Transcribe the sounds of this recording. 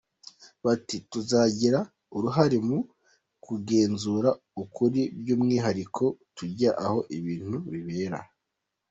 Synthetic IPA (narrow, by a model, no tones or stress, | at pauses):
βatituzaɟiɾa | uɾuɦaɾemu | kuɡe̞ːnzuːɾa | ukuɾibɟuːmŋiːɦaɾikʰo̞tuɟaʔaho̞ʔiβiːn̥huβiβe̞ːɾa̰